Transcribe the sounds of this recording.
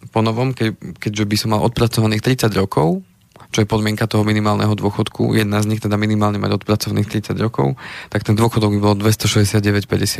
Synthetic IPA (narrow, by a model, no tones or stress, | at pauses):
pɔnɔʋɔmkɛkɛɟʒɛbisɔmːalʔɔt̪pɾat͡sɔʋaniːxt̪ɾit͡saɟɾɔkɔʊ | t͡ʃɔjɛpɔd̪mɪɛŋkat̪ɔɦɔminimaːlnɛ̰ɦɔd̪ʊɔxɔt̪kʰṵjɛd̪nazɲixt̪ɛd̪aminimaːlɲɛma̰ɟɔt̪pɾat͡sɔʋaniːxt̪ɾit͡saɟɾɔkɔ̰ʊt̪akt̪ɛnd̪ʊɔxɔd̪ɔɡbibɔlɔd̪ʋɛst̪ɔʃɛzɟɛsɪad̪̚ɟɛʋɛcpɛɟɛsɪat̪